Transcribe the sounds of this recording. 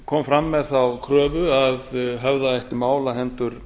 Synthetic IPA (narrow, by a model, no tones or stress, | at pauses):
kʰɔːmfɾamːɛθawkʰɾœːvʏaðɦœvðaajht̪ɪmaːwlaɦɛnt̪ʏɾ̥